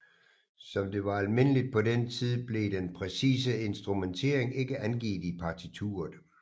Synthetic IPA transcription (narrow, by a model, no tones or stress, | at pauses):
sɒ̽md̥e̝ʋɑ̈ælme̝n̰əlid̥̚pʰɒ̽dent͡sʰið̞ˠb̥le̝d̥enpʰʁɛsḭːs̬əe̝nsd̥ʁument͡sʰe̝ɐe̝ŋe̝ɡ̥əʔænɡ̥ḭːd̥ipʰɑ̈t͡sʰit͡sʰṵːɐð̩ˠ